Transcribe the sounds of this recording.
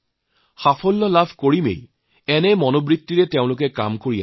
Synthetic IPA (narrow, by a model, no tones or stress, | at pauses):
xafʰɔlːɔlabʱkoɹimḛj | ɛnɛmɔnobɹit̪ːiɹɛteʊ̃lʊk̬ɛka̰mkoɹija̰